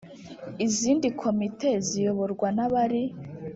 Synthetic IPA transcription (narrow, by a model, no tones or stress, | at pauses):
iziːndikʰo̞mitʰe̞zijo̞βo̞ɾɡwanaβaɾi